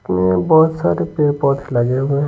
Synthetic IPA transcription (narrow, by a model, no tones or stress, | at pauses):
mebɔːt̪sa̰ːɾepeːpɔːt̪ʰlad͡ʒeɦʊe